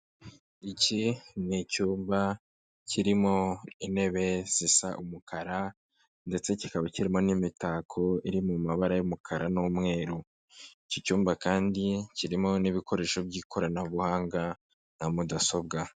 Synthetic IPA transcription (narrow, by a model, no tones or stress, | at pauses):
icinicuːmba | cʰiɾimo̞ine̞βe̞z̥isa̰ʔumukʰaɾa | nde̞t͡se̞ci̥kaβaciɾimo̞nimitaːkʰo̞iɾimumaβaɾajumukʰaɾanomŋe̞ːɾu | icicuːmbakaːndiciɾimo̞niβiko̞ɾe̞ːʃo̞bɟiːkʰo̞ɾanahuβuhaːŋɡa | n̥hamudaso̞bɡa